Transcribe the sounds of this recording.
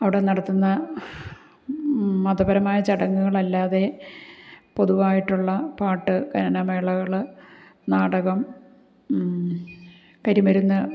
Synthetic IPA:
ɐʋiɽe̞nɐɽɐt̪ːunːɐ | mɐd̪ɐbɐɾɐmaːjɐt͡ɕɐɽɐŋːuɣɐɭɐlːaːðe̞ | po̞ðuʋaːjiʈːuɭːɐpaːʈːɨkɐnɐnɐmeːɭɐɣɐɭ | naːɽɐɣɐm | kɐɾimɐɾunːɐ

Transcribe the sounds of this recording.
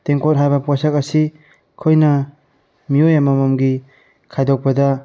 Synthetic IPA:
t̪eŋkot̚ɦajbɐpwasakɐsi | kʰojnɐ | miojamamɔmɡi | kʰajd̪ɔk̚pɐda

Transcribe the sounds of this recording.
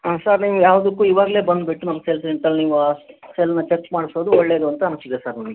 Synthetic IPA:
asaɾniːʋujaːʋɐd̪ukːuːiːʋaːɡɐle̞ːbɐnd̪biʈːunɐmːɐseːls̬eɳʈɐlːniːʋuaːselɐnːɐt͡ʃekːmaːɽisoːd̪uɔɭːeːɾuɐnt̪ɐɐnɐsid̪esaːɾnɐmɐɡe

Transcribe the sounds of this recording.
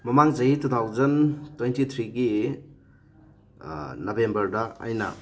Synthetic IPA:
mɐmaŋzɐjitʰut̪ʰawzɐntwejntit̪ʰɾiɡi | nɐbembɐɾdɐ̰ːjnɐ̰

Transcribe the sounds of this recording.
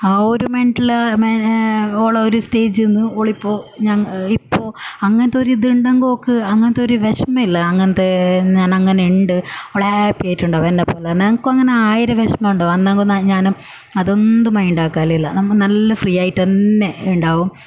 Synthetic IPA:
aoɾumeɳʈilːɐmeoːɭɐoɾusteːd͡ʑenːɨoːɭipːo̞ːɲaːnipːo̞ːɐŋːɐnɐt̪ːeoɾud̪iɳɖɐŋɡookːɨɐŋːɐnɐt̪ːeo̞ɾuʋeɕmɐilːɐːŋːɐnɐt̪ːeɲaːnɐŋːɐneiɳɖɨoɭɐhapːijaːitːuɳɖaːʋenːɐpːolɐnɐŋkːɨɐŋːɐneaːjiɾɐʋeɕmɐuɳɖaːʋumɐnːaːŋɡonɐɲaːnum | ɐðo̞nd̪ɨmɐjɳɖaːkːaːlɐilːɐnɐmnɐlːɐfrijːaːjiʈːenːe̞uɳɖaːʋum

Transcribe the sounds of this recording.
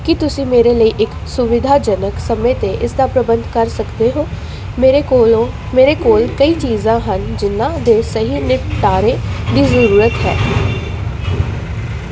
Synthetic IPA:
kɪt̪ʊsĩːmeːɾeːləiːʔɪksʊʋɪd̪ʱaːd͡ʒənəksəmẽːt̪eʔɪsd̪aːpɾəbənd̪ʱkəɾsəkd̪eːɦoː | ɾo | meːɾeːkoːlkəiːt͡ʃiːzãːɦənd͡ʒɪnːãːd̪eːsəɦiːnɪʈ̪aːɾẽːd̪iːzəɾuːɾət̪ɦɛ̰ː

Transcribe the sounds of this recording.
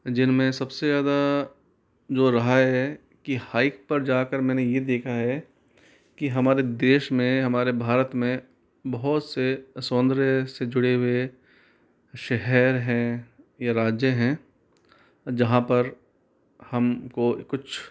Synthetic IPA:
d͡ʒɪnmẽsɐbsezaːd̪a | d͡ʒoːɾɐɦaɦɛ | kihaːɪk̚pɐɾd͡ʒaːkəɾmɛ̃ːnejed̪eːkʰaɦɛ | kiɦɐmaːɾed̪eːʃmẽɦɐmaːɾebʱaːɾət̪mẽ | bɐɦɔt̪sesɔ̃ːnd̪ɾesed͡ʒʊɽeɦue | ʃɛɦɛɾɦɛ̃jaɾaːd͡ʒjəɦɛ̃ː | d͡ʒɐɦãpɐɾ | hɐmkokʊt͡ʃʰ

